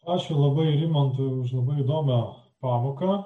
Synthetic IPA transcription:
pɑːʃʲʊlˠɐbɐɪɾʲɪmʲɐnt̪ʊʃ̬lˠɐbɐɪid̪oːmʲɛ | pɑːmoːkɐ

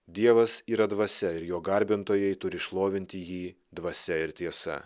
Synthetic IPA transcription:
d̪ʲiɛʋɐsiːɾɐd̪ʋɐsʲɛɪɾjoːɡɐɾʲbʲɪnt̪oːjɛɪt̪ʊɾʲɪʃlˠoːʋʲɪnʲt̪ʲɪjiː | d̪ʋɐsʲɛɪɾt̪ʲiɛsɐ̰

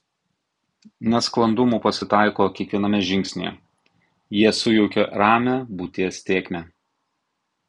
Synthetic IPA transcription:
nʲɛsklˠɐnd̪ʊmuːpɐsʲɪt̪ɑˑɪkoːkʲɛkʋʲiɛnɐmʲɛʒʲɪŋʲksʲnʲḛːɛ | jiɛsʊjɔʊkʲoːɾɑːmʲæbuːt̪ʲiɛsʲt̪ʲeːkʲmʲe

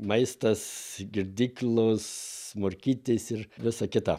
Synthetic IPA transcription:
mɐɪst̪ɐsɡʲɪɾʲd̪ʲiːklˠʊsmoɾʲkʲiːt̪ʲesɪrʋʲɪsɐkʲɪt̪ɐ

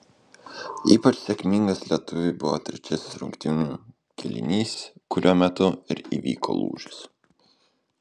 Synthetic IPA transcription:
ḭːpɐt͡ʃsʲɛkʲmʲɪŋɡɐslʲiɛt̪ʊʋʲɪbʊʋo̰ːt̪ʲɾʲɛt͡ʃʲɛsʲɪsɾʊ̰ŋkt̪ʲɪnuː | kʲɛlʲɪ̰nʲiːskʊɾʲuːmʲɛt̪ʊɪɾḭʋʲḭːko̰ːlˠṵːʒʲʊs

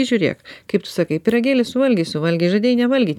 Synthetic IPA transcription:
ɪʒʲuɾʲiɛ̰kkɐɪpt̪ʊ̥sɑːkɐɪpʲɪɾɐɡʲeːlʲɪsʊʋɐlʲɡʲɛɪsʊʋɐlʲɡʲɛɪʒɐd̪ʲeɛjnʲɛʋɐlʲɡʲiːt̪ʲ

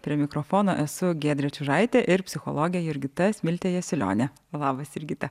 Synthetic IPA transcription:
pʲɾʲiɛmʲɪkɾofoːnoːʔɛsʊɡʲeːd̪ʲɾʲɛt͡ʃʲuʒɐɪt̪ʲeʔɪɾpʲsʲɪxo̰lˠoːɡʲjɛjɪɾʲɡʲɪt̪ɐsʲmʲɪlʲt̪ʲeːjɛsʲɪlʲo̰ːnʲɛ | lˠɑːbɐsɪɾʲɡʲɪt̪ɐ

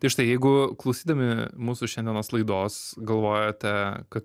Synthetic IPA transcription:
t̪ɐɪʃt̪ɐɪjɛɪɡʊklˠɐʊsʲiːd̪ɐmʲɪmuːsʊʃʲɛnd̪ʲɛnoːslˠɐɪd̪oːsɡɐlˠʋoːjoːt̪ʲɛkɐt̪

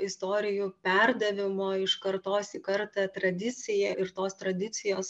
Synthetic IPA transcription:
ɪst̪oːɾʲɪjupʲɛɾd̪ɐʋʲɪmoːɪʃkɐɾt̪oːsikɐɾt̪ɑt̪ɾɐd̪ʲɪt̪sʲɪjɛʔɪɾt̪oːst̪ɾɐd̪ʲɪt̪sʲɪjoːs

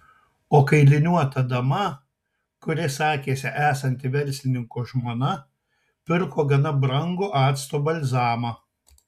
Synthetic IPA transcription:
oːkɐɪlʲɪnʲuɔt̪ɐd̪ɐmɐ | kʊɾʲɪsɑːkʲeːsʲɪʔæːsɐnʲt̪ʲɪʋʲɛɾʲsʲlʲɪnʲɪŋkoːʒmoːnɐ | pʲɪɾkoːɡɐnɐbɾɐŋɡoːʔɑːt̪st̪oːbɐlʲzɑːmɑ

